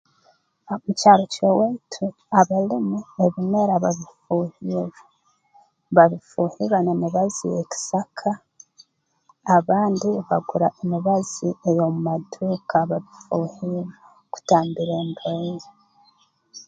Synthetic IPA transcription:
mucaːɾocowetʰu | aβalimueβimwe̞ɾaβaβifuhiɾ | βaβifuːhiɾanemiβazḭjeci̥sakʰa | βaːndiβaɡuɾaʔemiβaz̥iejo̞mumaduːkʰaβaβifuːhiɾa | ku̥taːmbiɾeːmbeːze

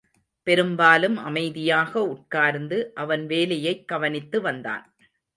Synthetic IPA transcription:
pɛɾɯmbaːlɯmɐ̰mɐɪðɪjaːɣɐʊʈ̚kaːɾnd̪ɯʔɐʋɐnʋeːlɐjɐɪkːɐʋɐnɪt̪ːɯʋɐnd̪a̰ːn

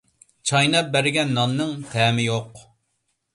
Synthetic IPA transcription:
t͡ʃʰɑjnɑp̚bæɾɪɡʲɛnːɑnːɨŋt̪ʰɛːmɪjoq

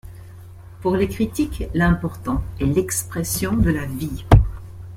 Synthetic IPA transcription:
puʁlekχit̪iklɛ̃pɔʁt̪ɑ̃ɛlɛkspχɛsjɔ̃d̪əlavi

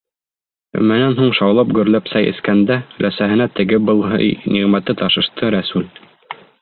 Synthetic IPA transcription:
ɵ̰mænænɦuɴʃɑwlˠɑpɡɵ̆ɾlæpsæjɘ̰̆skænd̪ælæsæɦɘ̆næt̪ɘ̆ɡɘbɤlˠɦɤ̰jniʁmæt̪ːɘt̪ɑʃɤ̆ʃt̪ɤɾæsʉl

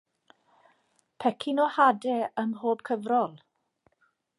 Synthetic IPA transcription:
pʰɛkʰɪnɔhadɛəmɦoːb̥̚kʰəvrɔlˠ

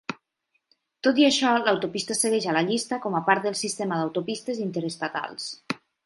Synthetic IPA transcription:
t̪ot̪iəʃɔlawt̪opist̪asəɣɛʒalaʎist̪akɔmapaɾt̪̚d̪əlˠsist̪eməðawt̪opist̪əzint̪eɾest̪at̪a̰lˠs

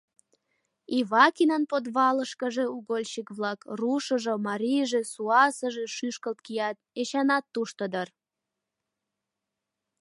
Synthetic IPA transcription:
iβɑkinənpod̪βɑləʃkəʒeuɣolʲt͡ɕikβlɑkruʃəʒomɑɾʲijʒesuɑsəʒeʃyʃkəlt̪̚kijɑt̪eɕɑnɑt̪ːuʃt̪əd̪ər

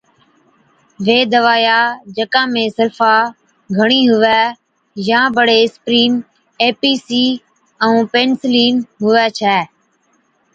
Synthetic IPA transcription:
ʋeːd̪əʋaːjaːd͡ʒəkãːmẽːsəlfaː | ɡʱəɳ̃iːɦʊʋɛː | jãːbəɽeːspɾiːn | eːpiːsiː | əũːpeːnsliːnɦʊʋɛːt͡ʃʰɛː

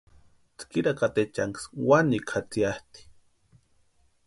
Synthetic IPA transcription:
t͡skiɾakat̪et͡ʃaŋkswanikʰat͡siaht̪i̥

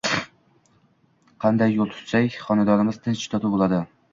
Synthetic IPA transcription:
qʰɑnd̪ajːolˠt̪ʰʊ̥t̪sajχɒnad̪ɒnɪmɪzt̪ʰɪnt͡ʃʰɪ̥t̪ʰɒt̪ʰubolˠad̪ɪ

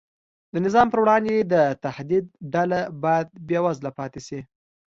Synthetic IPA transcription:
d̪ənɪzɑmpəɾwɽɑnd̪ed̪ət̪ahd̪id̪̚ɖalabɑjad̪̚bjɑwazlapɑt̪esi

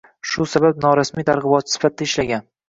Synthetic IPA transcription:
ʃʊsabap̚nɒɾasmijt̪ʰaɾʁɨbɒt̪sɪ̥fat̪̚d̪aɪʃlaɡʲan

